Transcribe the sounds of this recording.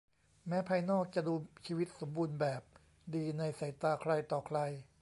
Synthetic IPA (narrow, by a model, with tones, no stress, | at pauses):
mɛː˦˥pʰaː˧jnɔː˥˩k̚t͡ɕa˨˩duː˧t͡ɕʰiː˧wi˦˥t̪̚so˩˦mbuː˧nbɛː˨˩p̚ | diː˧na˧jsa˩˦jt̪aː˧kʰɾa˧jt̪ɔː˨˩kʰla˧j